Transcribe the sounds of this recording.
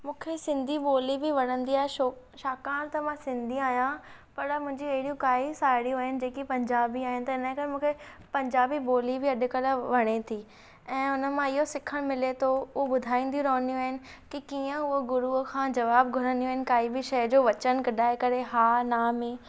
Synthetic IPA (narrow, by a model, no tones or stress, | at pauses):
mũːkʰesɪ̃nd̪ʱiboːlibɪʋɐɽ̃ə̃nd̪iaːɦeʃo | ʃaːkaːnt̪ɐmãsɪ̃nd̪ʱiaːɦjã | pɐɾmʊ̃ɦɪ̃ɲd͡ʑiɐɦɪɽijũkaːisaːɪɽijũaːɦɪnɪ̆d͡ʑeːkipɐ̃ɲd͡ʑaːbiaːɦɪnɪ̆t̪ɐɪnə̃kɐɾemũːkʰe | pɐ̃ɲd͡ʑaːbiboːlibʱɪɐɗʊ̆kəlʋɐɽ̃et̪ʰiː | ɛ̃ːʊnə̆mãɪɦosɪkʰəɽ̃mɪlet̪ʰoʊɦobʊd̪ʱaːĩːnd̪ijũɾɐːə̃nd̪ijũaːɦɪnɪ̆kikiːə̃ʊɦoɡʊɾukʰãːd͡ʑɐʋaːb̚ɡʱʊɾə̃nd̪ijũaːɦɪnɪ̆kaːibɪʃɐjd͡ʑoːʋɐt͡ɕəñkɐɗaːekɐɾeɦaːnaːmẽ